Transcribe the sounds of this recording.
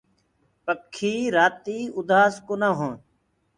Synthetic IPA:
pəkʰːiːɾaːt̪iːʊd̪aːskoːnãːɦõː

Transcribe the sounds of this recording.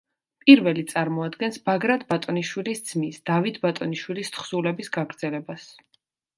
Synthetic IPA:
pʼiɾvɛlit̪sʼaɾmɔad̪ɡɛnsbaɡɾad̪ʰbat̪ʼɔniʃwilisd̪z̥misd̪̥avit̪ʰbat̪ʼɔniʃwilist̪χsulɛbisɡaɡɾd̪zɛlɛbas

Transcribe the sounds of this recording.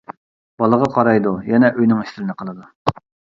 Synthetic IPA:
b̥ɑlˠəʁɑqʰɑɾɑjd̪ujɛnɛʔøjnɪŋiʃt̪ɪɾɪnɨqʰəlˠɨd̪u

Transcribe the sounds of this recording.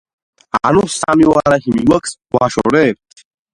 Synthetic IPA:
anusamiwaɾahimiwɐkswaʃɔ̰ɾɛ

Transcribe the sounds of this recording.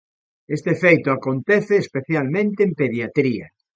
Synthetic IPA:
est̪eefejt̪oakont̪eθeːspeθjalmẽnt̪eːmpeðjat̪ɾia̰

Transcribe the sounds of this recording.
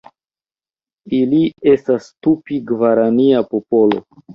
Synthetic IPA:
ilie̞stastupiɡvaɾaniapopo̞lo̞̰

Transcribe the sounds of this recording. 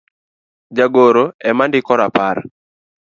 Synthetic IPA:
d͡ʒaɡoɾoɛmandɪkɔɾapar

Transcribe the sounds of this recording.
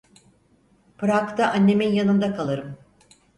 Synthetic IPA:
pɯɾakt̪ʰaʔanːe̞minjanɯnd̪akʰalˠɯɾɯm

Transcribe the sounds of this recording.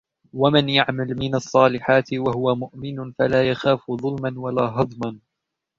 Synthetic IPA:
wamɪnjaʕmalmɪnɑsˤːɑːlɪħaːt̪ɪwaɦʊwamʊʔmɪnfalaːjaxaːfðˤʊlmanwalaːɦɑd̪ˤman

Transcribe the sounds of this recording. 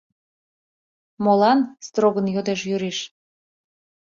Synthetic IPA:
molɑnst̪roɣənjod̪eʃ̬jyɾiʃ

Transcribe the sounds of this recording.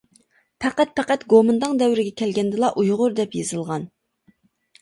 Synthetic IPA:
pʰɛqæt̪̚pʰɛqæt̪ɡomɨnd̪ɨŋd̪ɛwɾɪɡʲɛkʲʰɛlɡʲɛnd̪ɨlˠɑʔujʁʊɾd̪ɛpjezɨlˠʁɑn

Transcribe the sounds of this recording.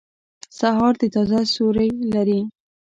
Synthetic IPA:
saɦɑɾd̪ət̪ɑzasoɾəjlaɾi

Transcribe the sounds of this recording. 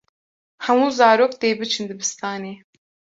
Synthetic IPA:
hɛmuːzɑːɾoːk̚t̪eːbɨt͡ʃʰɨnd̪ɨbɨst̪ʰɑːneː

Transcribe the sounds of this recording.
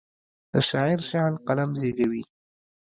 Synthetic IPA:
d̪̥əʃɑɪɾʃɑlqalamzeɡawi

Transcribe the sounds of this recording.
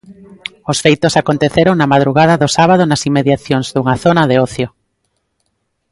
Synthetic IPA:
ʊsfejt̪osakont̪eθeɾoŋnɐmað̞ɾuɣað̞ɐðʊsaβ̞aðʊnɐsimːeðjaθjoŋzðuŋɐθonɐðeɔθjo

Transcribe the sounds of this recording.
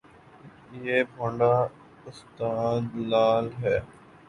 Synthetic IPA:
jeːbʱəɳɖaː | ʊst̪aːd̪laːlɦɛː

